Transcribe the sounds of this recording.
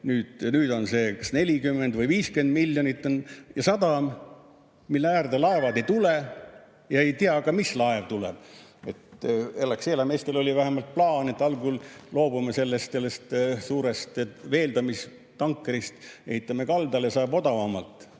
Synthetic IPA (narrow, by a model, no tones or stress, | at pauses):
nyːd̪̥nyːd̪̥o̞nse̞ːkɑsne̞lʲikymːend̪vɯjviːske̞nd̪̚milʲːjonit̪ːˑonjɑsɑd̪̥ɑm | milːeæːrd̪elɑe̞vɑd̪e̞jt̪ule | jɑe̞jt̪iɑkɑmislɑevt̪ulḛb̥̚e̞t̪elːɑkseːlɑme̞ːst̪elo̞lʲivæɦemɑlt̪̚plɑːnet̪ːɑlɡullo̞ːb̥umese̞lːest̪selːest̪suːɾest̪ve̞ːld̪ɑmis | t̪ɑŋkːeɾist̪e̞̰hit̪ːˑɑmekɑld̪ɑljɑsɑeb̥o̞d̪ɑvɑmɑlt̪ˑ